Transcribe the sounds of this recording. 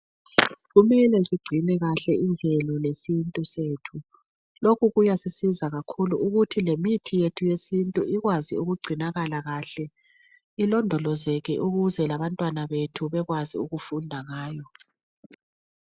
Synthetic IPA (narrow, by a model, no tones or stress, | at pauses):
ɣumɛlɛziɡ͡ǀʱinɛɣaɬɛʔind͡ɮʱɛlɔlesintʼuseːtʰu | lokʰuɣujasisizaɣakʰuluuɣutʰilemitʰijetʰujesintʼuʔiɣwazḭuɣuɡ͡ǀʱinaɣalaɣaɬɛ | ilɔndʱɔlɔzɛɣɛ̰ʔuɣuzɛlaβantʼwanaβetʰuβɛɣwazḭuɣufundʱaŋaːjɔ